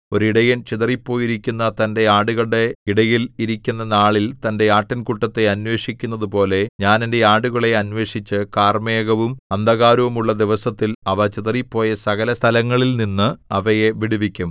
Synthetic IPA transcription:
o̞ɾuiɽɐjɐnt͡ɕiðɐripːo̞ːjiɾikʲːunːɐt̪ɐnde̞aːɽuɣɐɭɽe̞iɽɐjiliɾikʲːunːɐnaːɭilt̪ɐnde̞aːʈːɐnkuʈːɐt̪ːe̞ɐnwe̞ːʂikʲːunːɐðupo̞ːle̞ɲaːnende̞aːɽuɣɐɭe̞ɐnʋe̞ːʂit͡ɕːɨkaːrmeːɣɐʋumɐnd̪ɐɣaːɾuʋumuɭːɐd̪iʋɐsɐt̪ːilɐʋɐt͡ɕiðɐripːo̞ːjɐsɐɣɐlɐst̪ʰɐlɐŋːɐɭilninːɨɐʋɐjeʋiɽiʋikʲːum

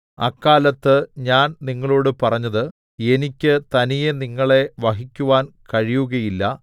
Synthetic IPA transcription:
ɐ̰kːaːlɐt̪ːɨɲaːnniŋːɐɭo̞ːɽɨpɐrɐɲːɐðɨ | e̞nikʲːɨt̪ɐnijeniŋːɐɭe̞ʋɐɦikʲːuʋaːnkɐɻijuɣɐjilːɐ

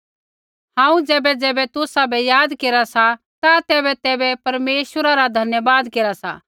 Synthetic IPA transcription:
hãːũd͡zɛːbɛd͡zɛːbɛt̪ʊsabɛjaːd̪keːɾasa | t̪at̪ɛːβɛt̪ɛːbɛpɐɾmeːʃwəɾaɾad̪ʱɐnjəbaːd̪keːɾasa̰

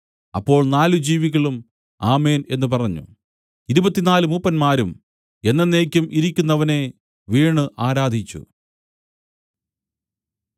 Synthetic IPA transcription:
ɐpːo̞ːɭnaːlud͡ʑiːʋiɣɐɭum | aːme̞ːne̞nːupɐrɐɲːṵ | iɾubɐt̪ːinaːlumupːɐnmaːɾum | e̞nːɐnːeːkʲːumʔiɾikʲːunːɐʋɐne | ʋiːɳɨʔaːɾaːd̪ʱit͡ɕːṵ

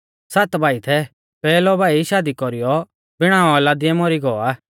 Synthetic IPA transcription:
sat̪bʱaːit̪ʰɛ | pɛːlɔbaːiʃaːd̪ikɔɾijɔ | bɪɽ̃ãːɔlad̪ɪɛmɔɾiɡɔːaː

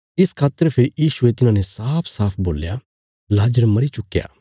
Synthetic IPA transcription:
ɪskʰaːt̪ːəɾpʰɪɾijiːʃuet̪ɪnãːnesaːpʰsaːpʰbo̰ːlja | laːd͡ʒəɾmɐɾit͡ʃʊkːja̰ː

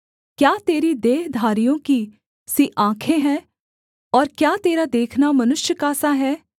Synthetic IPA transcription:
kjaːt̪eːɾid̪eːɦd̪ʱaːɾijõki | siʔãːkʰeɦɛ̃ː | ɔːɾkjaːt̪eːɾad̪eːkʰnamɐnʊʃjəkaːsaɦɛː

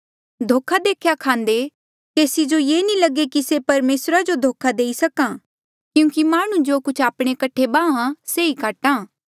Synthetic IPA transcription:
d̪ʱoːkʰad̪eːkʰjakʰãːnd̪e | keːsid͡ʒojeːnĩlɐɡekisepɐɾmeːsɾad͡ʒod̪ʱoːkʰad̪eːisɐkãː | kjũːkimaːɽ̃ũd͡ʒoːkʊt͡ʃʰaːpɽ̃ekɐʈʰebãːãseikaːʈãː

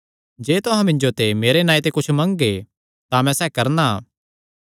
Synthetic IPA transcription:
d͡ʒeːt̪ʊɦãmɪ̃ɲd͡ʒot̪emeːɾenãːit̪ekʊt͡ʃʰmɐ̃ŋɡe | t̪amɛ̃sɛːkɐɾna̰ː

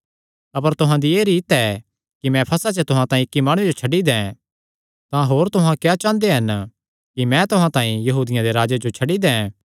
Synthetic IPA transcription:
ɐpəɾt̪ʊɦãd̪ieːɾiːt̪ɛ | kimɛ̃pʰɐsat͡ʃet̪ʊɦãt̪ãːĩɪkːimaːɽ̃ʊ̃ed͡ʒot͡ʃʰɐɖid̪ɛ̃ | t̪ãɦoːɾt̪ʊɦãkjat͡ʃãːnd̪eɦɐn | kimɛ̃t̪ʊɦãt̪ãːĩjɐɦuːd̪ɪjãd̪eɾaːd͡ʒed͡ʒot͡ʃʰɐɖid̪ɛ̃

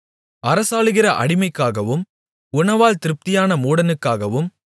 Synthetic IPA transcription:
ɐɾɐsaːɭɯɣɪɾɐʔɐ̰ɽɪmɐɪkːaːɣɐʋɯm | ʊnɐʋaːlt̪ɪɾɯp̚t̪ɪjaːnɐmuːɽɐnɯkːaːɣɐʋɯm

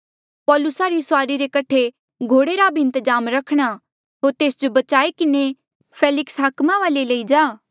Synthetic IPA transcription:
pɔːlʊsaɾisʊaːɾiɾekɐʈʰe | ɡʱoːɽeɾabʱiɪ̃nt̪əd͡ʒaːmɾɐkʰɽ̃a | ɦoːɾt̪eːsd͡ʒobɐt͡ʃaːekɪne | pʰeːlɪksɦaːkmaʋaːleleid͡ʒaː

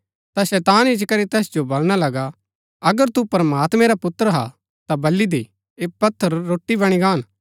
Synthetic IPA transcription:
t̪asɛːt̪aːnɪd͡ʒkɐɾit̪ɛːsd͡ʒobɐlɽ̃alɐɡa | ɐɡəɾt̪upɐɾəmaːt̪mẽɾapʊt̪ːəɾɦa̰ | t̪abɐlid̪i | eːpɐt̪ʰːəɾːoːʈːibɐɽ̃iɡaːn

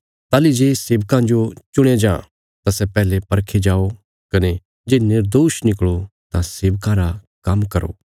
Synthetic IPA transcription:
t̪aːlid͡ʒeːseːʋkãd͡ʒot͡ʃʊɽ̃ed͡ʒãː | t̪ãsɛpɛːlepɐɾkʰed͡ʒaːo | kɐne | d͡ʒeːnɪɾd̪oːʃnɪkɭot̪ãseːʋkãɾa | kɐmkɐɾo̰ː

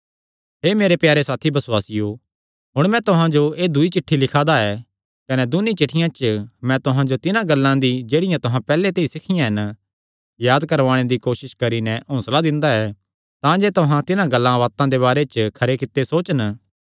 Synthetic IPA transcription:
ɦeːmeːɾepjaːɾesaːt̪ʰibɐswaːsɪjo | ɦʊɽ̃mɛ̃t̪ʊɦãd͡ʒoeːd̪ʊit͡ʃɪʈʰːilɪkʰad̪aɛ | kɐnɛd̪ʊnːit͡ʃɪʈʰːɪjãt͡ʃmɛ̃t̪ʊɦãd͡ʒot̪ɪnãɡɐlːãd̪id͡ʒeːɽɪjãt̪ʊɦãpɛːlet̪eːisɪkʰɪjãɦɛn | jaːd̪kɐɾʋaːɽ̃ed̪ikoːʃɪʃkɐɾinɛõːslad̪ɪ̃nd̪aɛ | t̪ãd͡ʒeːt̪ʊɦãt̪ɪnãɡɐlːãʋaːt̪ãd̪eβaːɾet͡ʃkʰɐɾekɪt̪ːesoːt͡ʃən

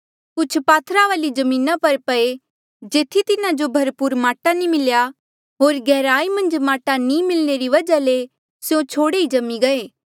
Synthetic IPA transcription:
kʊt͡ʃʰpaːt̪ʰɾaʋaːlid͡ʒɐmĩːnapɐɾpɐe | d͡ʒeːt̪ʰit̪ɪnad͡ʒobʱɐɾpʊɾmaːʈanimɪlja | ɦoːɾɡɛːɾaːimɐ̃nd͡ʒmaːʈanĩmɪlneɾiʋɐd͡ʒale | sjõt͡ʃʰoːɽeid͡ʒɐmːiɡɐeː

